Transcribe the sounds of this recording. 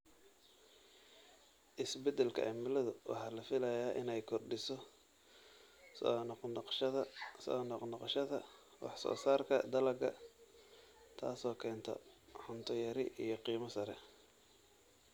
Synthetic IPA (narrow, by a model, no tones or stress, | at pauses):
ʔɪsbɛd̪ɛlkʰɐ̰ʔɐmɪlɐðʊwʔɑ̰ħɑːlɐfɪlɐjaːʔɪnɛjkʰɔrɖɪsɔ | sɔnʃɐðɐsɔ̰ːnɔqnɑqʃɐðɐ | wɑ̰ħsɔ̰ːsaːrkʰɐd̪ɐlɐɡɐ | t̪ʰa̰ːsɔːkʰɛːnt̪ʰɔ̰ħʊnt̪ʰɔjɐɾɪʔijɞqiːmɐsɐɾɛ̰